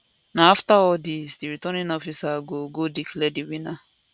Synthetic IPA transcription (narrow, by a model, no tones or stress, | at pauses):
naaftaɔdɪsdiɾitɔnɪ̃nɔfisaɡoɡodiklediwina